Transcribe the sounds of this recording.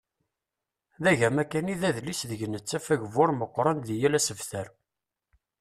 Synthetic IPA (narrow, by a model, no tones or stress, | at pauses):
ðæʝæmækːæniðæðlisðəʝənət͡sːæfæʝəvʊɾˤməqʷːɾˤɑnðijælæsəvθæɾ